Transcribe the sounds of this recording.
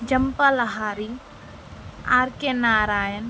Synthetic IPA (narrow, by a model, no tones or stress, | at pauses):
d͡ʒɐmpalɐɦaːɾi | aːɾkenaːɾaːjən